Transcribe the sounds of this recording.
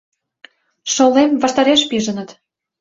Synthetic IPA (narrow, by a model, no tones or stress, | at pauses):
ʃŏlemvɑʃt̪ɑɾeʃpiʒə̆nə̆t̪